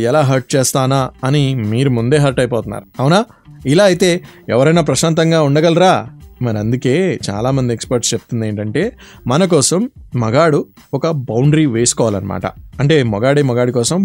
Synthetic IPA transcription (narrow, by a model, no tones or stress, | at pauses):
ɛlaːɦɐɾʈ̚t͡ʃeːst̪aːnaːɐnimiːɾumund̪e̞ːɦɐɾʈɐjpɔːt̪unːa̰ːɾuɐwnaː | ilaːɐjt̪e̞ːɛʋɐɾɐjnaːp̬ɾɐʃaːnt̪̬ɐŋɡaːuɳɖɐɡɐlɾaːmɐɾiɐnd̪uke̞ːt͡ʃa̰ːlaːmɐnd̪iekspɐɾʈst͡ʃe̞p̚t̪und̪e̞ːɳʈɐɳʈe̞ː | mɐnɐk̬ɔːsɐmːɐɡaːɽu | ɔkɐbɐwɳɖɾiːʋeːsu̥kɔːʋaːlɐnɐma̰ːʈɐ̰ɐɳʈe̞ːmɔɡaːɽiːmɔɡaːɽikɔːsɐm